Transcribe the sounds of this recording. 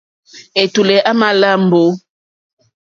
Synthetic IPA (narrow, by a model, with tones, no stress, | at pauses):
e˨tu˨lɛ˨ʔa˦ma˦la˦m̩˨bo˨˦